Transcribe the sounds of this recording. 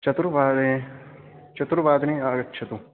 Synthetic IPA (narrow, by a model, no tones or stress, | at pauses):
t͡ʃɐt̪uɾʋaːd̪ẽ | t͡ʃɐt̪uɾʋaːd̪nẽaːɡɐtːt͡ʃʰɐt̪u